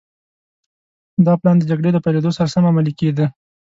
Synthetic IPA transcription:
d̪ɑplɑnd̪əd͡ʒaɡɽed̪əpajled̪osaɾasamamaliked̪ə

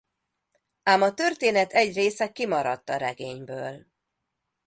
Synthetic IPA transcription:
aːmɒt̪ørt̪eːnɛt̪ɛɟreːsɛkimɒɾɒt̪ːɒɾɛɡeːɲbøːl

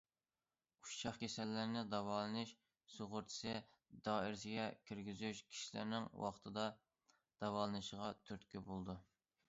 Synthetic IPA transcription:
ut͡ʃʰɑχkʲʰesɛlːɪɾnɪd̪ɑwɑːlˠɨnɨʃ | soʁʊɾt̪ʰɪ̥sɨ | d̪ɑːiɾsɪɡʲɛkʲʰiɾɡʲizyʃkʲʰi̥ʃilɪ̰ɾnɪŋwɑ̰χt̪ʰɨd̪ɑ | d̪̥ɑwɑːlˠɨnɨʃəʁɑt̪ʰyɾt̪kʲybolˠd̪u

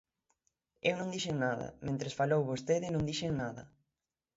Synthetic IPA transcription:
ewnõŋd̪iʃeŋnaðɐ̰mẽnt̪ɾesfalowβost̪eðɪnõŋd̪iʃeŋnaðɐ̰

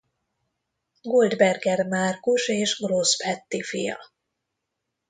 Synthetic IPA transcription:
ɡold̪bɛrɡɛrmaːrkuʃeːʒɡroːsfɛt̪ːifijɒ̰

